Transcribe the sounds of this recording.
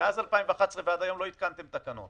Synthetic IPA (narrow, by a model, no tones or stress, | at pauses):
eazalpaimveχat̪sʁevead̪ajo̞mlo̞it̪̚kant̪emt̪akano̞̰t̪